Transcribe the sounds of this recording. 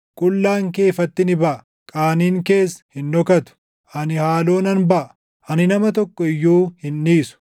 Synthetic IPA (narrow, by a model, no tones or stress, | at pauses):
kʼʊlːaːŋke̞ːfɐt̪ːɪnɪbɐʔɐ | kʼaːniːŋke̞ːshɪnːɔkɐt̪ʊ̥ | ʔɐnɪhaːlo̞ːnɐnbɐʔɐ | ʔɐnɪnɐmɐt̪ɔkːɔɪjːuːhɪnːiːsʊ̥